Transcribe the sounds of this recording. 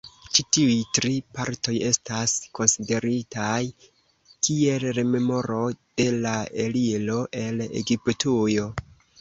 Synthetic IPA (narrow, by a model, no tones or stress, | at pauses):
t͡ʃitiujtɾipaɾto̞je̞stasko̞nside̞ɾitaj | kie̞lɾeme̞mo̞ɾo̞d̥e̞laelilo̞ʔe̞lḛɡiptʰujo̞